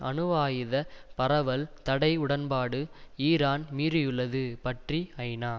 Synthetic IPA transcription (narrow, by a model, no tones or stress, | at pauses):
ʔɐnɯʋaːjɪðɐpɐɾɐʋɐlt̪ɐɽɐɪʊɽɐnpaːɽɯiːɾaːnmiːɾɯjɯɭːɐðɯpɐʈriɐɪnaː